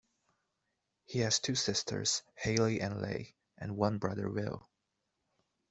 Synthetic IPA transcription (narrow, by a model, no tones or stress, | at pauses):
hiɨz̥tʰʉsɪstʰə̰˞z̥heɪlˠiʔɨ̃nlḛɪ | ʔɨ̃nwʌ̃nbɹʌðə̰˞wɪ̰lˠ